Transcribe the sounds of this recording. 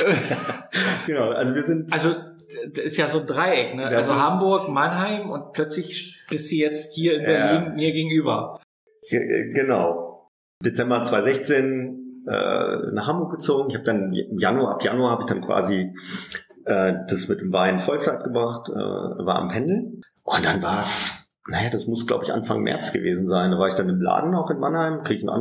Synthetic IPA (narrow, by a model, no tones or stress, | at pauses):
ɡ̥ənaʊʔa̰lzoviːɐzɪntalzod̥asɪstjaːzoːndʁaɪʔɛknəʔalzoɦambʊɐkmanɦaɪmʊntpʰlœt͡slɪçʃb̥ɪstuːjɛt͡sthiːɐɪnbɛɐliːnmiːɐɡeːɡŋ̩ʔyːbɐ̰ | ɡənaʊ | d̥et͡sɛmbɐt͡sv̥aɪzɛçt͡seːnʔɛ̰ːnaːχhambʊɐk̚ɡ̥ət͡soːɡŋ̩ɪçhaːbəd̥anɪmjanuɐʔa̰pʰja̰nuahaːbəɪçd̥ankv̥a̰ːzi | ʔɛːd̥asmɪt̚d̥eːmvaɪnfɔlt͡saɪt̚ɡ̥əbʁaχtʔɛ̰ːvaːɐʔa̰mpʰɛndl̩ʔʊnt̚d̥anvaːɐs | najaːd̥asmʊsɡ̥la̰ʊbəɪçʔa̰nfa̰ŋmʔɛ̰ɐt͡sɡ̥ə̰vḛːzn̩zaɪndaːvaːɐɪçd̥anɪmla̰ːdn̩aʊxɪnma̰nhaɪmkʁ̥iːɡəçn̩ʔa̰n